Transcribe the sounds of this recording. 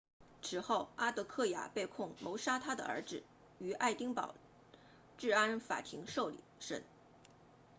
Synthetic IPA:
ʈ͡ʂʰɻ̩˨˩xo˥˩ʊa˥t̪ɤ˧˥kʰɤ˥˩ja̰˨˩pe˥˧ɪkʰʊ˥˩ŋmo˧˥ʊʂa˥t̪ʰa˥d̪ə̰˨ʔə̰˞˧˥ʈ͡ʂɻ̩˨˩ | y˧˥ʔa˥˩ɪt̪i˥ŋpɑ̰˨˩ʊ | ʈ͡ʂɻ̩˥˩a˥nfa̰˨˩t̪ʰi˧˥ŋʂo˥˩ʊlḭ˨˩ʂə̰˥˩n

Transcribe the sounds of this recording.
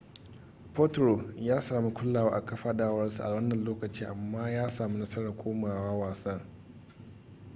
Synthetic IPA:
po˦tɾo˨jaː˦saː˨mi˦kʷʊ˦lːaː˨waː˦ʔa˨kɐ˦ɸaː˦ɗaː˦wɐ˦rsu˨ʔa˨wɐ˦nːɐ˨nloː˦kɐ˨t͡ʃiː˦ʔa˨mːaː˦jaː˦saː˨mi˦nɐ˦sɐ˦ɽa˨kʷoː˦maː˨waː˦waː˨sɐ˦ŋ

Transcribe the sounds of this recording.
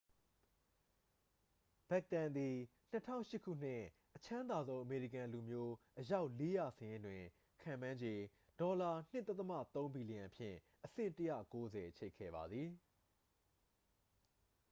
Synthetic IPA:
b̥ɛ˦˨k̚tã˨nd̪i˨ | n̥ətʰã̰˦˨ʊ̃ʃɪ˦kʰṵ˦˨n̥ɪ̰̃˦˨ | ʔət͡ɕʰã˦nd̪a˨zõ˦ʊ̃ʔəme˨ɹḭ˨kã˨lu˨mjo˦ʔəja˦ʊʔle˦ja˨səjɪ̃˦ndwɪ̃˨ | kʰã˨mã˦ɲd͡ʑe˨ | d̥ɔ˨la˨n̥ɪ˦ʔt̪ɛ˦t̪ːəma̰˦˨t̪õ˦ʊ̃mbi˨li˨ã˨pʰjɪ̰̃˦˨ | ʔəsɪ̰̃˦˨təjä̰˦˨ko˦zɛ˨ʔt͡ɕʰe˦˨kʰːɛ̰˦˨ba˨d̪ði˨

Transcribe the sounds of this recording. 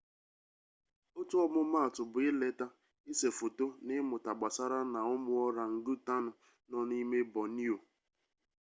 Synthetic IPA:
o˦tu˦ɔ˦mʊ˦ma˦a˨tʊ˨bʊ˨ɪ˦le˦ta˦ | ɪ˦se˨fo˨to˦nɪ˦mʊ˨ta˨ɡ͡ba˨sa˦ɾa˦na˨ʊ˦mʊ˦ɔ˦ɾa˨n̩˦du˦ta˦nʊ˨ | nɔ˦n˦i˦me˦bɔ˨ni˦o˨

